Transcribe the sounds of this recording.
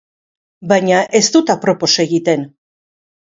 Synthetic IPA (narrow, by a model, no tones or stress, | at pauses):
bajɲaʔe̞st̪ut̪apɾo̞po̞seɣit̪e̞n